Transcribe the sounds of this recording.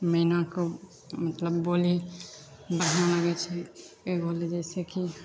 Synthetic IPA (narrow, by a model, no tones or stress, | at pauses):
məɦinako | mət̪ləbːoli | bəɽɦnaləɡɛt͡ʃʰɛ | ebʱoled͡ʒəɪseki